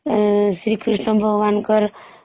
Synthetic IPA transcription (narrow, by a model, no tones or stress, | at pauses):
sɾikʰɾiʂnʌbʱʌɡwankʌɾ